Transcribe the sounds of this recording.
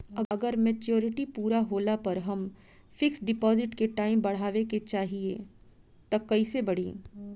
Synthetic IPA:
ɐɐɡəɾmeːt͡ʃjoːɾɪʈipuːɾaɦoːlapɐɾɦɐm | fɪksɖɪpɔːzɪʈkeʈaːɪmbɐɽ̤aːʋeket͡ʃaːɦieː | t̪ɐkɐisebɐɽ̤ḭː

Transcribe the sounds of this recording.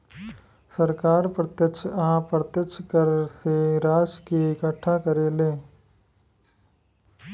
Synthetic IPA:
səɾkaːɾpɾət̪jəkt͡ʃʰaãpɾət̪jəkt͡ʃʰkəɾseɾaːd͡ʒkiɪkəʈʰːakəɾeːleː

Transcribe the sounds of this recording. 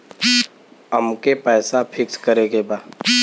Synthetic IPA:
əmkepɛːsapʰɪkskəɾeɡebaː

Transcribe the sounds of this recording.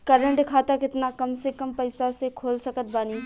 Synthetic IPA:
kɐɾə̃ɳɖɪkʰaːt̪akɪt̪nakɐmsekɐmpɐɪsasekʰoːlsɐkət̪̚baːniː

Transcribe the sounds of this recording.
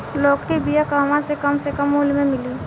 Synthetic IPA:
lɔːkʈibijakaːʋãsekɐmsekəmɦuːlmẽmɪliː

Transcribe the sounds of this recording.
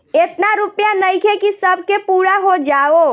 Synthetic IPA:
et̪naɾupjanəjkʰekisəbʱkepuːɾaɦod͡ʒaːo

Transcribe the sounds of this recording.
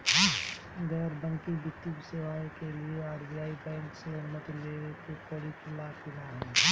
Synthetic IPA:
ɡɛɾbə̃ŋkibɪt̪ːikseʋaːkelieaːɾbijaːibɛ̃ːŋkseʊnmət̪leekekoːɽikʰɪlakɪnaɦɛ

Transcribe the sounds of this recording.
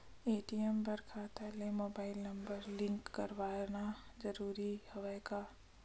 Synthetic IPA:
eːʈiɛmbɐɾkʰaːt̪ɛːlemoːbaːɪlnɐ̃mbəɾlɪ̃ŋkːɐɾʋaːnad͡ʒɐɾuːɾihɐʋakaː

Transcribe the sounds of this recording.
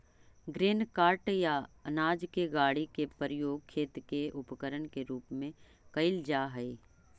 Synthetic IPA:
ɡɾeːnkaːɾʈjaɐnaːd͡ʒkeɡaːɽikepəɾɪjoːɡ̚kʰːeːt̪keʊpkəɾənkeɾuːpmẽ | kɐɪld͡ʒaːɦɛe

